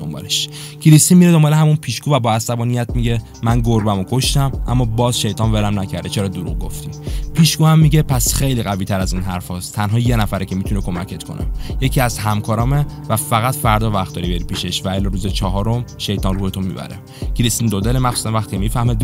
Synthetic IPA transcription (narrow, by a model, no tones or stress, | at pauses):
d̪ombɒ̰ːleʃ | kʰiɾist̪inmiːɾed̪o̞mbɒːleɦæmunpʰiːʃkuːvæbɒːæsæbɒːnijæt̪miɟe | mænɡoɾbæmokʰoʃt̪æmʔæ̰mːɒːbɒːzʃejt̪ʰɒːnvelæmnæcʰæɾd̪et͡ʃʰeɾɒːd̪oɾṵɣɡo̰ft̪ipʰiːʃkuːhæmːiɟepʰæsxe̞jliɣæviːt̪ʰæɾæziːnɦæɾfɒːst̪t̪ʰænɦɒːjenæfæɾecʰemiːt̪ʰunekʰo̞mæcʰe̞t̪kʰo̞̰nʔḛje̞cʰiːæzɦæmkʰɒːɾɒːmevæfæɣæt̪fæɾd̪ɒːvæxt̪d̪ɒːɾibeɾipiːʃeʃvæelːɒːɾuːzet͡ʃʰɒːɦɒːɾomʃe̞jt̪ʰɒːnruːhet̪ʰomḭːbæ̰ɾḛ | cʰiɾist̪ind̪od̪elemæxsu̥sænvæxt̪iːcʰemiːfæhme